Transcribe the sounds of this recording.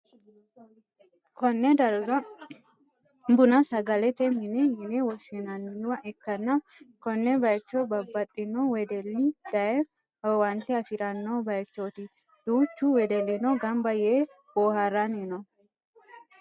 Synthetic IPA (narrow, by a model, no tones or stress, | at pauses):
kɔnːɛd̪ɐɾɡɐ | bʊnɐsɐɡɐlɛt̪ɛmɪnɛjɪnɛwɔʃɛnɐnːiwɐʔɛkːɐnːɐkɔnːɛbɐjt͡ʃːobɐbːɐt̪ʼːɪnowɛd̪ɛlːɪd̪̥ɐjɛ | wɐnt̪ɛɐfɪɾɐnːobɐjt͡ʃːot̪i | d̪̥uːt͡ʃːuwɛd̪ɛlːɛnoɡɐmbɐjeː | boːhɐɾːɐnɪnɔ